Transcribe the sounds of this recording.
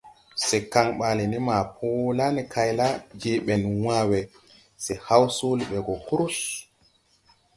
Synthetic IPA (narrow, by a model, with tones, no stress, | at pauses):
sɛ˨ka˨ŋɓa˨lɛ˨ni˦ma˨pʰo˦la˦ni˨kʰa˨jla˦d͡ʒe˦ɓɛ˨nwa˦wɛ˨ | sɛ˨ha˦wsu˦lɓɛ˨ɡɔ˨ku˦ɾu˦s